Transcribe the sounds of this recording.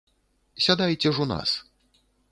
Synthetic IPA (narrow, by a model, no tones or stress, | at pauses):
sʲad̪ajt͡sʲɛʐuna̰s